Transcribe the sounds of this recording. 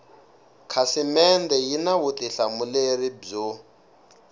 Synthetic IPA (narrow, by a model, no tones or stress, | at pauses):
kʰasimɛnd̪ɛjinawut̪iɬamuleɾibb͡ʐu